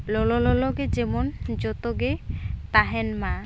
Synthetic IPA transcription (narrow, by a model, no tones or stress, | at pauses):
lɔlɔlɔlɔɡed͡ʑemond͡ʑɔt̪oɡet̪aɦenmã